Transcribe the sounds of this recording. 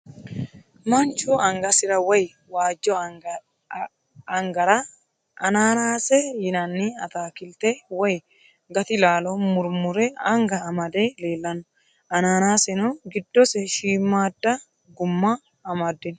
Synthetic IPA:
mɐnt͡ʃoːɐŋɡɐsɪɾɐwɐj | waːd͡ʒːɔ | ɐŋɡɐɾa | ʔɐnaːnaːsɛjɪnɐnːiɐt̪aːkɪlt̪ewɐj | ɡɐt̪ɪlaːlomʊɾmʊɾɛɐŋɡɐːmɐd̪eːleːlːɐnʊ | ʔɐnaːnaːsɛnuɡɪd̪ːɔsɛʃiːmːaːd̪ːɐ | ɡʊmːaː | mɐd̪ːɪn

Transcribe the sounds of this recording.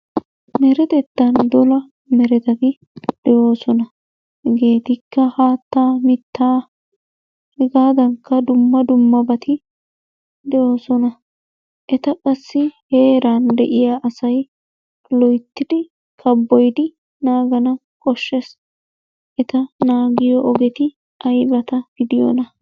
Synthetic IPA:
mɛɾɛt̪ɛt̪ːɐnd̪ɔlɐ | mɛɾɛt̪ɐt̪ɪ | d̪̥ɛʔo̞ːsɔnɐ | hɡe̞ːt̪ɪkʰːɐhaːt̪ːaːmɪt̪ːaː | hɛɡaːd̪ɐŋkːɐd̪ʊmːɐd̪ʊmːɐbɐt̪ʰɪ | d̪ɛʔo̞ːsɔnɐ | ʔɛt̪ɐkʼɐsːɪhe̞ːɾaːnd̪ɛʔɪjaʔɐsɐj | lɔjt̪ːɪd̪ɪ | kʰɐbːɔjd̪ɪ | naːɡɐnɐ | kʼɔʃːɛs | ʔɛt̪ɐnaːɡɪjɔʔɔɡɛt̪ɪ | ɐjbɐt̪ɐɡ̥ɪd̪ɪjɔ̰nɐ

